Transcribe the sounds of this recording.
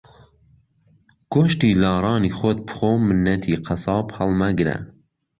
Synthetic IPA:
ɡ̥oʃt̪iːlɑːɾɑːniːxot̪̚bxomɨnːɛt̪ʰiːqʰæsɑːphɛlmæɡɾɛ̰

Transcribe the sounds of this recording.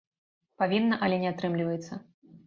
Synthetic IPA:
pavʲinːɐʔɐlʲɛnʲɛat̪ɾɨmlʲivɐjɛt̪sːɐ

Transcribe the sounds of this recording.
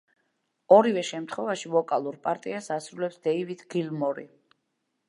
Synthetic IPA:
ɔɾivɛʃɛmt̪ʰχwɛvaʃivɔkʼalˠuɾpʼaɾt̪ʼiasasɾulɛpsd̪̥ɛivid̪̥ɡilmɔɾḭ

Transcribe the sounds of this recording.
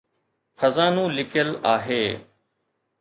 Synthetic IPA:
xʰəzaːnũːlɪkəlaːɦeː

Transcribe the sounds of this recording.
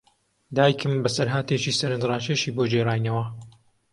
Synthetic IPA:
d̪aːjkʰɨmbɐsɐɾɦaːt̪eːt͡ʃiːsɐɾɨnd̪raːt͡ʃeʃiːbod͡ʒeɾaːjnɐwɐ

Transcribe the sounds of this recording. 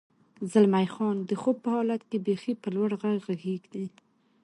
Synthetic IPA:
zalmajxɑnd̪əxob̚pəhɑlat̪kebexipəlwaɽɣaɡɣaɡeɡd̪i

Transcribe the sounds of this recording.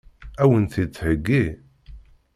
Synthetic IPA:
æwənθit͡sːhəɡːi

